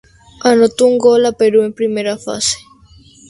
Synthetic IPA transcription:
anot̪ouŋɡolapeɾuempɾimeɾafa̰se̥

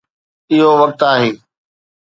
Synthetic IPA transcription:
ɪɦoʋɐk̚t̪aːɦeː

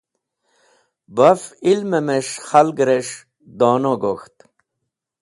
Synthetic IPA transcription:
bɐfilmemeʂxalɡɾeʂ | d̪ɔːnoɡoxt̪

